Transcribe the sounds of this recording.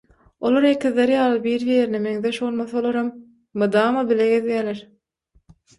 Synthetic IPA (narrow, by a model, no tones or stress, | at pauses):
o̞lˠoɾekiðleɾjɑːlˠɯbiːɾjieɾnemeŋðeʃbo̞lˠmɑθɑolˠoɾɑmː | ɯd̪ɑːmɑbileɡeðijæːleɾ